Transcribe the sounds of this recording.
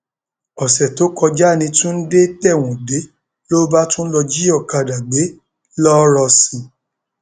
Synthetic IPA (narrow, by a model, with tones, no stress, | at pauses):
ɔ˨sɛ˨to˨˦kɔ˧d͡ʒa˦˨nĩ˧tũ˦n̩˦de˦tɛ˦˨w̃ũ˨de˨˦ | lo˦ba˦tũ˦lɔ˧d͡ʒi˦ɔ˦˨ka˨da˨ɡ͡be˨˦ | lɔ˦ɾɔ˧sĩ˨